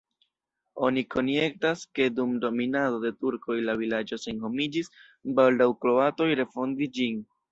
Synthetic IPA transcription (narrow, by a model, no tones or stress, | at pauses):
o̞nikʰo̞njek̚taske̞dumdo̞minado̞de̞tuɾko̞jlavilad͡ʒo̞se̞nho̞mid͡ʒis | baldawkɾo̞ato̞jɾe̞fo̞ndisd͡ʒin